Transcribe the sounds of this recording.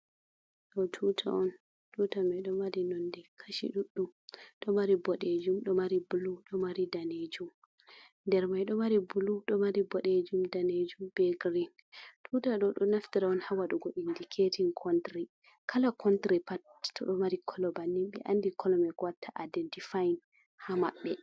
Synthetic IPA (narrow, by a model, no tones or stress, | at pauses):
ɗɔtʰutʰa̰ɔn | tutamɛɗɔmaɾinɔndɛkʰaʃḭɗuɗːumɗɔmaɾibɔɗed͡ʒumɗɔmaɾibuluɗɔmaɾidaned͡ʒum | ndɛɾmajɗɔmaɾibuluɗɔmaɾibɔɗed͡ʒumdaned͡ʒumbɛɡɾin | tʰutaɗɔɗɔnaftiɾaɔnhawaɗɔɡoɗindikʰetinkʰɔntɾi | kʰalakʰɔntɾipattʰɔɗɔmaɾikʰɔlɔbanːimɓɛ̰ʔandikʰɔlɔmɛɡɔwatʰːaʔadɛntifajn | hama̰ɓːɛ